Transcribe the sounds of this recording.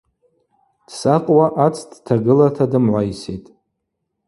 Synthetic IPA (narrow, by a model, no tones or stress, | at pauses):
d̥saqʼwaʔat͡sʰʼdtʰaɡɨlatʰadɨmʕʷajsḛjtʼ